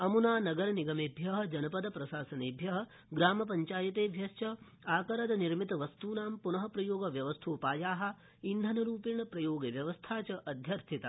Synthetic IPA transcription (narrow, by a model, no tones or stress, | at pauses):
ɐmunaːnɐɡɐɾɐniɡɐmeːbʱjɐɦɐ̆d͡ʒɐnɐpɐd̪ɐpɾɐʃaːsɐneːbʱjɐɦɐ̆ | ɡɾaːmɐp̬ɐɲt͡ʃaːjɐt̪eːʋʱjɐst͡ʃɐ | aːkɐɾɐd̪ɐniɾmit̪ɐʋɐst̪uːnaːmpunɐɦɐpɾɐjoːɡɐʋjɐʋɐst̪ʰoːpaːjaːɦɐ̆ | ind̪ʱɐnɐɾuːpiɳɐpɾɐjoːɡɐʋjɐʋɐst̪ʰaːt͡ʃɐʔɐd̪ʱjɐɾt̪ʰit̪ɐ